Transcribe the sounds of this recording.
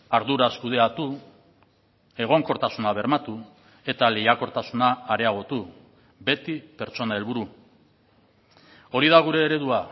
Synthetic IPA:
aɾðuɾaskuð̞e̞at̪u | e̞ɣ̞o̞ŋko̞ɾt̪asunaβ̞e̞ɾmat̪u | e̞t̪ale̞jako̞ɾt̪asunaːɾe̞aɣ̞o̞t̪u | be̞t̪ipe̞ɾt͡so̞nae̞lβuɾu | o̞ɾiðaɣ̞uɾe̞ːɾe̞ðua

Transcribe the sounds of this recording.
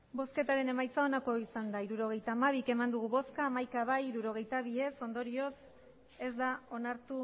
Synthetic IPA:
bo̞ske̞t̪aɾe̞ne̞majt͡sao̞nako̞isand̪aiɾuɾo̞ɣ̞e̞jt̪aːmaβ̞ike̞mand̪uɣ̞uβo̞skaːmajkaβajɾuɾo̞ɣ̞e̞jt̪aβ̞ie̞so̞nd̪o̞ɾio̞s | e̞zd̪ao̞naɾt̪u

